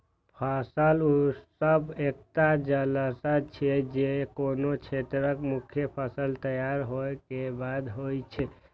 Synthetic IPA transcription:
pʰasəlusəbekt̪ad͡ʒələsat͡ʃʰed͡ʒekonot͡ʃʰet̪ɾəkmukʰjəpʰəsəlt̪əjaɾɦoekebad̪ɦojt͡ʃʰɛ

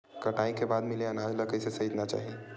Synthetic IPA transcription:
kɐʈaːĩkebaːd̪mɪleɐnaːd͡ʒlɐkəisesɐit̪nat͡ʃa̰ːɦi

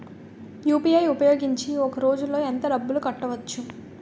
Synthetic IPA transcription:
juːpiɐjupɐjo̞ːɡiɲt͡ʃiɔkɐɾo̞ːd͡ʒulːo̞ːent̪ɐɖɐbːulukɐʈːɐʋɐt͡ʃːu

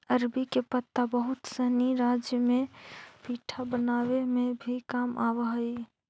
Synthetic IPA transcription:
əɾbikepət̪ːabəɦʊt̪səɦniɾaːd͡ʒjəmẽpiːʈʰabənaːwemẽbʱikaːmʔaːwɦəi

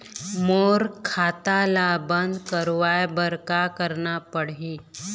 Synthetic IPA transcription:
moːɾkʰaːt̪alabə̃nd̪kəɾʋajbəɾkakəɾnapəɽi

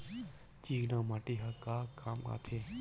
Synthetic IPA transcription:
t͡ʃiːɡnãːmaːʈiɦakaːkʰaːma̰ːt̪ʰeː

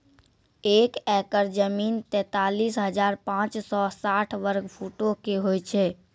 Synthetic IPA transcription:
ekɛkəɾd͡ʒəmint̪ɛ̃t̪alisɦəd͡ʒaɾpãt͡ʃsɔsaʈʰʋəɾɡpʰuʈokeɦojt͡ʃʰɛ

